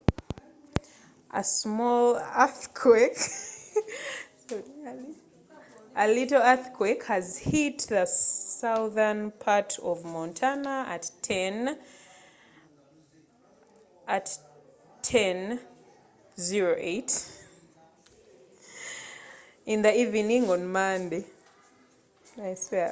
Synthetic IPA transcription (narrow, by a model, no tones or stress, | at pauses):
ʔə̰smɔlaθkʰwek | əlitl̩ˠaθkʰwekhɨzhitðəsaʊðə˞npʰaɹtʰɔvmɔ̃ntʰanaɨ̰tʰɛn | ʔat | tʰɛ̃n | ziɹoʔeɪt | ĩnðəivinĩŋɔ̃nmãnde | naɪswɛ